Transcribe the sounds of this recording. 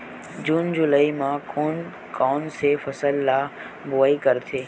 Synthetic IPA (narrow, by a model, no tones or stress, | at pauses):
d͡ʑuːnd͡ʑʊləimãkoːn | kɔːnsefɐsəlːaː | boʋaːikɐɾt̪ʰeː